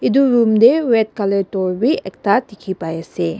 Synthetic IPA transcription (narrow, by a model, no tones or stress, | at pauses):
iduɾumdewet̚kaletɔɾbiek̚tʰatikʰipajɐse